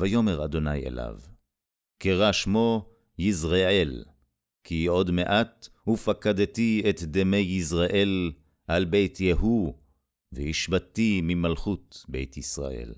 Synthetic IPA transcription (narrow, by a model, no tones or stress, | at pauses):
vajo̞me̞ʁad̪o̞najḛla̰v | keʁaʃmo̞ | jizʁeel | kio̞d̪meʔat̪ | hufakad̪t̪iet̪d̪emejizʁaʔe̞l | halbejt̪jeɦu | vehiʃbat̪imimalχut̪be̞̰jt̪jisʁa̰ʔḛl